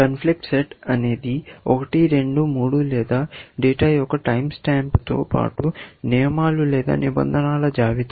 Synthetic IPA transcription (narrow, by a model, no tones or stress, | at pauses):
kɐnpʰlik̚ʈseʈɐne̞ːd̪iɔkɐʈiɾe̞ɳɖumuːɽulɛːd̪aːɖeːʈaːjɔkɐʈɐjmsʈaːmpt̪o̰ːpa̰ːʈunɛːmaːlulɛːd̪a̰ːnibɐ̰nd̪ʱɐnaːlɐd͡ʒaːʋit̪ɐ